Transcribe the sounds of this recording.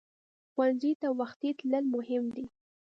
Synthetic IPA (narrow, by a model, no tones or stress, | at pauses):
xwanzit̪awaxt̪it̪ləlmʊhɪmd̪i